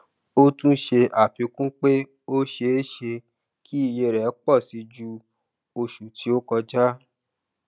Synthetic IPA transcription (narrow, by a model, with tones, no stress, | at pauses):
o˦tũ˦ʃe˧ʔa˨fĩ˨˧˦kũ˦k͡pe˦ | o˦ʃe˧e˦ʃe˧ | kʰi˦i˦˧˨je˧ɾɛ˨˦k͡pɔ˦˨si˧d͡ʒu˧ | o˧ʃu˨ti˨˦o˦kɔ˧d͡ʒa˦